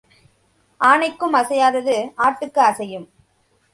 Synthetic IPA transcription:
ʔaːnɐɪkːɯmɐsɐjaːðɐðɯaːʈːɯkːɯɐsɐjɯm

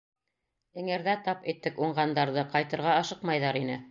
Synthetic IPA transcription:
ɘ̆ŋɘ̆ɾðæt̪ɑpĭt̪ːɘkuɴʁɑnd̪ɑɾðɤqɑjt̪ɤ̆ɾʁɑɑʃɤqmɑjðɑɾinɘ

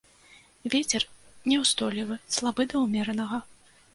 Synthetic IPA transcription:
vʲɛt͡sʲɛrnʲɛwst̪ɔlʲivɨslˠabɨd̪ɐwmʲɛɾɐnɐɣɐ

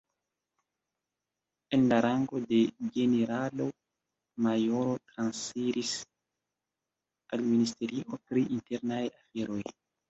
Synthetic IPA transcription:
enlaɾʔaŋɡo̞de̞ɡe̞neɾalo | majo̞ɾo̞tɾansfiɾʔis | alministe̞ɾiʔo̞pɾiinte̞ɾnajafe̞ɾo̞j

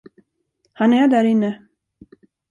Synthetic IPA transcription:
hanæɖæɾɪnːə

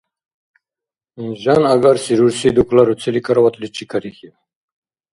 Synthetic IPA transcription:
inʒanaɡaɾsiɾuɾsid̪ukʰlaɾut͡sʰɛlikʰaɾawat̪ʰlit͡ʃʰikʰaɾixi

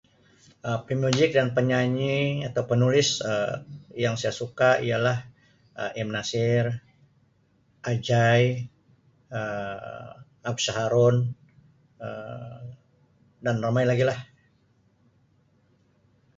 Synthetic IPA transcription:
əpimud͡ʒɪk̚danpəɲaɲiat̪awpənulɪsəjaŋsajasukaḭjalah | əʔɛmnasɪr | ʔad͡ʒaj | ə | ab̚saɦaɾɔn | ə | danrəmajlaɡilah

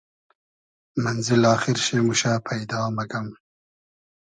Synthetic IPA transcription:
manzɪlɑːxɪɾʃemuʃapʰajd̪ɑːmaɡam

